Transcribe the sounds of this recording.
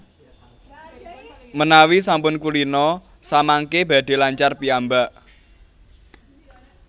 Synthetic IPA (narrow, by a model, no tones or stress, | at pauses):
mənawisampʊnkuɾinɔ | samaŋkebä̤d̪̥e̤laɲt͡ʃarpiambaʔ